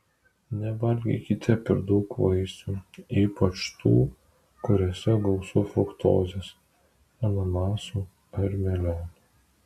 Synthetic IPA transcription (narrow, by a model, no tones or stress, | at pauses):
nʲɛʋɐlʲɡʲɛ̰kʲɪt̪ʲɪpɪɾd̪ɐʊkʋɐɪsʲt̪ʲuːiːpɐt͡ʃt̪ʰṵː | kʊɾʲoːsʲɛɡɐʊsʊfɾʊkt̪o̰ːzʲes | ɐnɐmɑːsuː | ɐɾʲmʲɛlʲæːnu